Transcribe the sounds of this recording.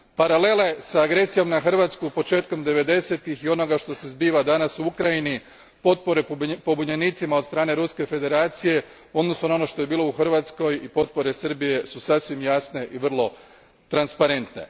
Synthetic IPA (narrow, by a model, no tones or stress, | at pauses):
paɾale̞le̞saːɡɾe̞sijo̞mnaxr̩ʋat̪skupo̞t͡ʃe̞ːt̪̚ko̞md̪e̞ʋe̞d̪e̞se̞t̪ixio̞no̞ɡaʃt̪o̞se̞zbiːʋad̪anasuukɾajini | po̞t̪̚po̞ɾe̞po̞buɲeniːt̪simaot̪st̪ɾaːne̞ɾuske̞fe̞d̪e̞ɾaːt̪sije̞ | o̞d̪no̞sunao̞no̞ʃt̪o̞je̞biːlˠo̞uxr̩ʋat̪sko̞jipo̞t̪̚po̞ɾe̞sər̩bije̞susasʋimjasne̞ʔiʋr̩lˠo̞ | t̪ɾanspaɾe̞nt̪ne̞̰